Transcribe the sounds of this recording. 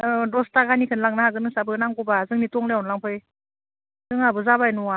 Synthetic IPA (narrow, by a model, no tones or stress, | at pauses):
dɔstaɡanikʰɯnlaŋnaɦazɯnɯŋsabɯnaŋɡɔbazɯŋnitɔŋlenlaŋpʰɯj | zɯŋabɯzabajnua